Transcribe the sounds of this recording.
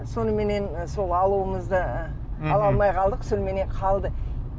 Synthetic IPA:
so̞nəme̞ne̞nso̞lˠɑlˠuəməzd̪ə | ɑlˠɑlˠmɑjʁɑlˠd̪əqsɵlme̞ne̞ɴqʰɑlˠd̪ə

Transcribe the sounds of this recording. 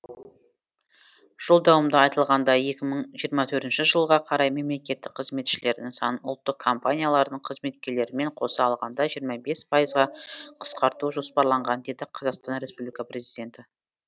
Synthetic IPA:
ʒ̥olˠd̪ɑwəmd̪əɑjt̪əlˠʁɑnd̪ɑje̞kʲɪməɴʒijəɾmɑt̪ʰɵɾt̪ɪnʃɪʒəlˠʁɑqʰɑɾɑjme̞mle̞kʲe̞t̪ːɪk̚qʰəzme̞t̪ʃɪle̞ɾd̪ɪŋsɑ̰nʊ̰lˠt̪ːəqkʰːo̞mpanʲijalˠɑɾd̪əɴqʰəzme̞t̪kʲe̞ɾle̞ɾɪme̞ɴqʰo̞sɑːlˠʁɑnd̪ɑʒijəɾmɑbe̞spʰɑjəzʁɑqʰə̥sqɑɾt̪uʒo̞spɑɾlˠɑɴʁɑnd̪e̞d̪ɪqʰɑzɑqst̪ɑnɾe̞spublʲijkɑpɾe̞zijd̪ʲe̞nt̪ɪ

